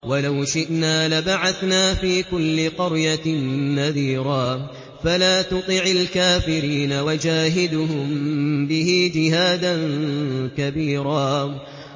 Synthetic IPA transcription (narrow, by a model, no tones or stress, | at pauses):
walawʃɪʔnaːlabaʕaθnaːfiːkʊlːɪqʊɾjanːaðiːɾaː | falaːt̪ʊt̪ˤɨʕalkaːfɪɾiːnawad͡ʒaːɦɪd̪ɦʊmbɪhid͡ʒɪhaːd̪ankabiːɾaː